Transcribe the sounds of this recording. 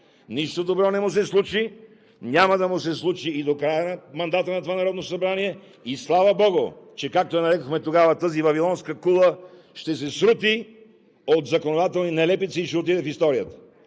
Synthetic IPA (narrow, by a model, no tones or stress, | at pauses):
niʃt̪od̪obɾɔnɛmusɛslˠut͡ʃi | nʲamɐd̪ɐmʊsɛslˠut͡ʃiːd̪okɾajənɐmɐnd̪at̪ənɐt̪ovanɐɾɔd̪nosɐbɾaniɛ | islˠavɐbɔɡʊt͡ʃɛkak̚t̪oɛnɐɾɛkoxmɛt̪oɡavɐt̪əzivɐvilˠɔnskəkulˠə | ʃt̪ɛs̬ɛsɾut̪i | ot̪zɐkonod̪at̪ɛlˠninɛlɛpit̪siːʃɛot̪it̪ɛfist̪ɔɾijət̪ə̥